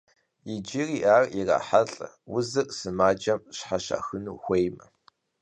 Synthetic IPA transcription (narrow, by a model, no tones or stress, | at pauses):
jɪd͡ʒiriʔaːrira̰ːħaɬʼɐ̰ | wʊzɨkʼsɨmaːd͡ʒɐmɕħaɕa̰ːxɨnuːxʷejmɐ